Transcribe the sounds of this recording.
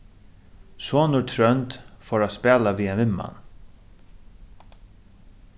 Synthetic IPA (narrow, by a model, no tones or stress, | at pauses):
sɔːnʊɾt̪ʰɾœnt̪fɔɾaspæːlaʋiːaɪmːa̰n